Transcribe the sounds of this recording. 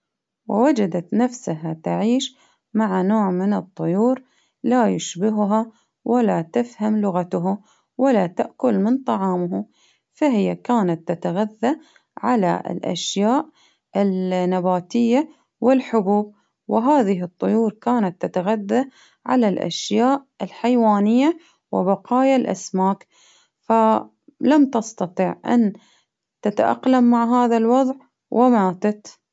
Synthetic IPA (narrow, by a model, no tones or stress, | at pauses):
wɪwad͡ʒad̪at̪nafsaɦat̪aʕiːʃ | maʕanoːʕmɪnɨt̪ˤːʊjuːɾ | lajʊʃbɪɦʊɦa | wʔalat̪afhamlʊɣat̪ʊɦʊ | wʔalat̪aʔkʊlmɪnt̪ˤɑʕɑːmɦa | faɦɪjːakaːnat̪ːat̪aɣaðːa | ʕala̰ɪ̰lʔa̰ʃjaːʔ | ʔɪlnːabaːt̪ɪjːa | wɪlħʊbuːb̚ | wɪɦaːðɪɦɨt̪ˤːʊjuːɾkaːnat̪ːat̪aɣaðːa | ʕa̰lalʔa̰ʃjaːʔ | ɪlħajwaːnɪjːa | wɪ̰bɑqɑːjalʔa̰smaːk | fa | lamt̪ɑst̪ɑt̪ˤiːʕʔa̰n | t̪at̪aʔa̰qlamːaʕɦaːðalwɑðˤʕ | wʔɪmaːt̪at̪